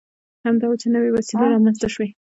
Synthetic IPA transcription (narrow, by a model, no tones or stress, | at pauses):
hamd̪ɑwot͡ʃenəwewasileɾɑmanst̪aʃwe